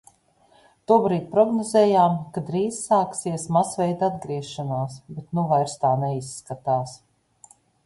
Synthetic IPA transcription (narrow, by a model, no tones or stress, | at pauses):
t̪uɔbɾiːt̪̚pɾɔɡnɔzɛːjaːmkad̪ɾiːz̥saːksiɛsmasvɛjd̪ad̪ɡɾiɛʃanaːsbɛt̪nuvajɾst̪aːnɛisːkat̪aːs